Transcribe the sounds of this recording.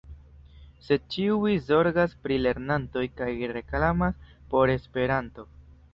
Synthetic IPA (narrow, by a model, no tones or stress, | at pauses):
se̞t͡ʃiuizo̞ɾɡaspɾile̞ɾnanto̞jkajɾe̞klamaspo̞ɾe̞spe̞ɾanto̞